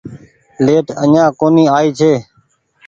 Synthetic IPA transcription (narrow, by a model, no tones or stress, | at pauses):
leːʈəɲãːkoːniːaːiːt͡ʃʰeː